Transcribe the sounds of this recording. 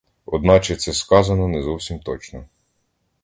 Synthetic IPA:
ɔd̪nɑt͡ʃɛt̪sɛskɑzɐnɔnɛzɔwsʲimt̪ɔt͡ʃnɔ

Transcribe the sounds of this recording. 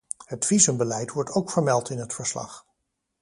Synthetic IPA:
ɦətfizəmbəlɛjtʋɔɹtowkfəɹmɛlˠtɪnɦətfəɹslɑ̰χ

